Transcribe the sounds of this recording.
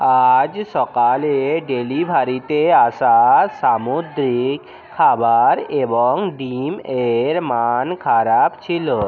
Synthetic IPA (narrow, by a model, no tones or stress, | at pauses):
ad͡ʑʃɔkaleɖelibʱaɾit̪eaʃasamud̪ɾikʰː | abaɾebɔŋɖimeɾmankʰaɾabt͡ɕʰilo